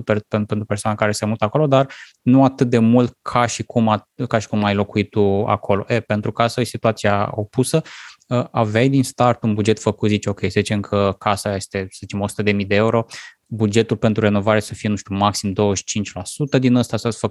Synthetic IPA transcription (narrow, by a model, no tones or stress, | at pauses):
pepenpent̪upesoanakaɾesemut̪əako̞lo̞d̪ar | nuat̪ɨt̪̚d̪e̞mult̪̚kʰaʃikumakaʃi̥kumajlo̞kuit̪̚t̪ːua̰kʰo̞lo̞̰ʔepe̞nt̪ɾukasəsit̪uat̪siao̞̰pusəəavajd̪inst̪art̪unbud͡ʒe̞t̪fəkut̪zit͡ʃeo̞kʲe̞jsəzit͡ʃe̞mkʰəkʰasaje̞st̪e̞səzit͡ʃemo̞su̥t̪əd̪e̞mid̪e̞euɾo̞ | bud͡ʒe̞t̪ulpe̞nt̪ɾure̞no̞vaɾe̞səfije̞nuʃt̪ʲumaksimd̪o̞wəʃi̥t͡ʃint͡ʃʲlasut̪əd̪inəst̪asəasfək